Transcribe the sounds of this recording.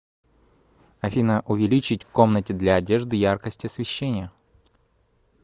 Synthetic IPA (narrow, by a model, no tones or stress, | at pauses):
ɐfʲinəʔʊvʲɪlʲit͡ɕɪtʲfko̞mnətʲɪd̪lʲɐːdʲe̞ʐd̪ɨjarkəsʲtʲɪɐsvʲɪɕːenʲɪjə